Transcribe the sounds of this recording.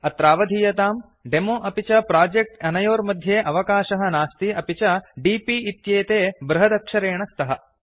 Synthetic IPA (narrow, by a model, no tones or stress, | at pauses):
ɐt̪ɾaːʋɐd̪ʱijɐt̪aːm | ɖemoːʔɐpit͡ʃɐpɾaːd͡ʒek̚ʈɐnɐjoːɾmɐd̪ʱjeːʔɐʋɐkaːʃɐɦɐnaːst̪iɐpit͡ʃɐɖiːpiit̪jeːt̪eːbɾɐɦɐd̪ɐkʂɐɾeːɳɐst̪ɐɦɐ